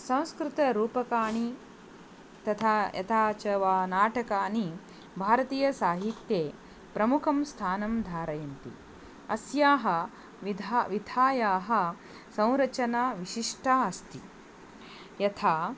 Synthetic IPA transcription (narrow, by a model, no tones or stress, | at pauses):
sɐ̃w̃skɾɪt̪ɐɾuːpɐkaːɳ̃i | t̪ɐt̪ʰaːjɐ̰t̪ʰaːt͡ʃɐʋaːnaːʈɐkaːni | bʱaːɾɐt̪iːjɐsaːɦit̪jeː | pɾɐmukʰɐmst̪ʰaːnɐmd̪ʱaːɾɐjɐnt̪ḭ | ɐsjaːɦɐ | ʋid̪ʱaʋid̪ʱaːjaːɦɐ̆ | sɐ̃w̃ɾɐt͡ʃɐnaːʋiʃiʂʈʰaɐst̪i | jɐt̪ʰaː